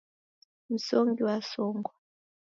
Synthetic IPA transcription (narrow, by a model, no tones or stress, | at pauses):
m̩soŋɡiwasɔːŋɡɔ